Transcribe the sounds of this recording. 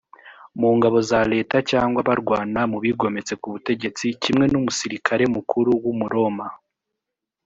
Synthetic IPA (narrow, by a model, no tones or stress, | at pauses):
muːŋɡaβo̞zaɾe̞ːtacaːŋɡwaβaɾɡwaːnamuβiɡo̞me̞t͡se̞kuβute̞ɟe̞t͡sicimŋe̞numusiɾikʰaɾe̞mukʰuɾuwumuɾo̞ma